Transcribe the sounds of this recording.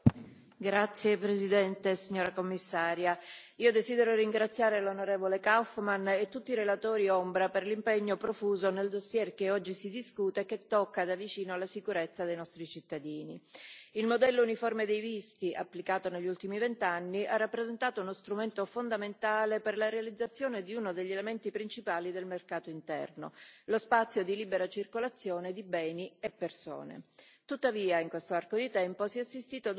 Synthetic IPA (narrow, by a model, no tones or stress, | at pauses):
ɡɾat̪sːjepɾezid̪ɛnt̪esiɲːoːɾakomːisːaːɾjaiːod̪ezid̪eɾoriŋɡɾat̪sːjaːɾelonoɾɛːvolekawfmanet̪ːut̪ːiɾelat̪oːɾiombɾaperlimpeɲːopɾofuːzoneld̪osːjɛrkeɔd͡ʒːisid̪iskuːt̪ek̟ːet̪ːɔkːad̪avit͡ʃiːnoalasikuɾet̪sːad̪ejnɔst̪ɾit͡ʃit̪ːad̪iːniilmod̪ɛlːounifɔrmed̪ejvist̪iʔa̰pːlikaːt̪oneʎːult̪imivent̪anːiʔarːapːɾezent̪aːt̪ounost̪ɾument̪ofond̪ament̪aːleperlaɾealid̪zːat̪sːjoːned̪iunod̪eʎːelement̪ipɾint͡ʃipaːlid̪elmerkaːt̪oint̪ɛ̰rno̰lospat̪sːjod̪ilibeɾat͡ʃirkolat̪sːjoːned̪ibɛːniepːerso̰ːnḛt̪ut̪ːaviːaiŋkwest̪oarkod̪it̪ɛmposiɛasːist̪iːt̪oad̪